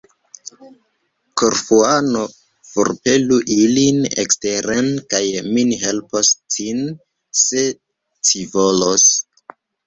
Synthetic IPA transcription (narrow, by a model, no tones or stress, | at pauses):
koɾfuano | fo̰ɾpe̞luʔilinḛksteɾenkajminiɦe̞lpostʰin | se | tʰivolos